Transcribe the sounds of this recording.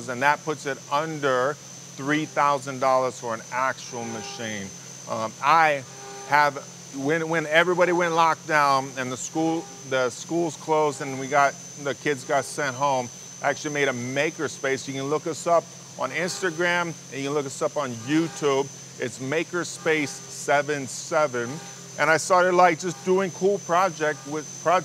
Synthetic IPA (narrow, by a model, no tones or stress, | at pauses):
zɨ̃nðət̚pʰʊtsɨɾʌ̃ndə˞ | θɹiθaʊzɨ̃ndɔlˠə˞z̥fə˞ə̃næk̚t͡ʃul̩ˠmɨʃĩn | aɪ | əv | wɨ̃nwɨ̃nɛvɹibɑɾiwɛ̃nʔˡlɑk̚d̥ãʊ̃nɨ̃nðəskulˠ | ðɨskulˠz̥kʰl̥oʊzdɨ̃nwiɡɑt̪̚ | ðɨkʰɪdzɡɑtsɛ̃nt̚ɦõʊ̃m | æk̚t͡ʃʉl̩ˠimeɪɾɨmeɪkə˞speɪsjɨkɨ̃nlʊkʌsʌp | n̩ɪ̃nstɨɡɹæ̃mɨ̃njɨkɨ̃nlʊkʌsʌpn̩jʉtʰʉb̚ | ɪtsmeɪkə˞speɪs | ɛvɨ̃nsɛvɨ̃n | ʔɨ̃ɾ̃aɪstɑɹɾɨdˡlaɪk̚d̥ʒ̥ʌsd̥uɪ̃ŋkʰulˠpʰɹ̥ɑd͡ʒɛk̚t̚wɪðpʰɹ̥ɑ